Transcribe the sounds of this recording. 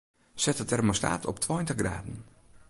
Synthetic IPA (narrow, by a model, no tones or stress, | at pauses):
sɛtətɛrmosta̰ːtʰɔptʰwɔjntəxɡra̰ːdən̩